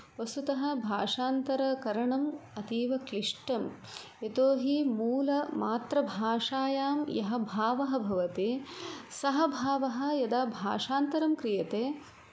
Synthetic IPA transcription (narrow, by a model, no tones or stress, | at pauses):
ʋɐst̪ut̪ɐɦɐ̆bʱaːʂaːnt̪ɐɾɐkɐɾɐɳɐmɐt̪iːʋɐkliʂʈɐm | et̪oːɦimuːlɐmaːt̪ɾɐbʱaːʂaːjaːmjɐɦɐbʱaːʋɐɦɐ̆bʱɐʋɐt̪esɐɦɐbʱaːʋɐɦɐ̆jɐd̪aːbʱa̰ːʂaːnt̪ɐɾɐmkɾijɐt̪eː